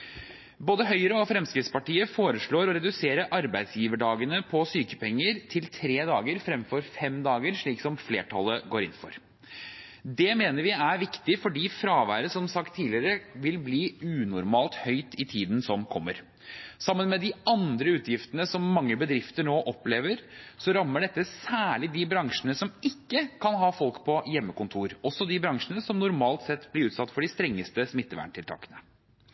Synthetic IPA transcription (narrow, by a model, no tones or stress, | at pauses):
boːd̪əɦœʏəɾəɔfɾɛmskɾɪt̪spɑʈiːəfoːɾəʂɭoːɾɔɾɛd̪ʉseːɾəʔɑɾbæɪd̪sjiːʋəɖɑːɡənəpʰɔsyːkə̥pɛŋːəɾt̪ʰɪlt̪ʰɾeːd̪ɑːɡəɾfɾɛmfɔɾfɛmd̪ɑːɡəɾʂɭiːksɔmflḛːʈʰɑlːəɡoːɾɪ̰nːfɔ̰ɾ | d̪ɛmeːnəɾʋɪæɾʋɪkt̪ɪfɔɖiːfɾɑːʋæːɾəsɔmsɑkt̪ʰːiːlɪəɾəʋɪlbliːʉːnʊɾmɑːlt̪hœʏt̪ʰɪt̪ʰiːd̪n̩sɔmkʰɔmːə̰ɾ | sɑmːənmɛd̪ɪɑnd̪ɾəʉːt̪jɪft̪ənəsɔmːɑŋːəbəd̪ɾɪft̪əɳoːʔɔpleːʋəɾsɔɾɑmːəɖɛt̪ːəsæːɭɪd̪ɪbɾɑŋʂənəsɔmɪkːəkʰɑnɦɑːfɔlkpʰɔjɛmːəkʊnt̪ʰuːɾɔsːɔd̪ɪbɾɑŋʂənəsɔmnʊɾmɑːlt̪sɛt̪ːblɪɾʉːt̪sɑt̪ːfɔɖɪst̪ɾɛŋːəst̪əsmɪt̪ːəʋæ̰ɳʈʰɪlʰɑ̰ːkə̥nə